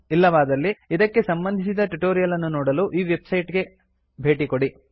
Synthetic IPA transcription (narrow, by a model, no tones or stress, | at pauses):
ilːɐʋaːd̪ɐlːiid̪ɐkːe̞sɐmbɐnd̪ʱisid̪ɐʈuʈoːɾijɐlɐnːunɔːɽɐluʔiːʋe̞bsɐjʈɡe̞ | bʱe̞ːʈikoɽi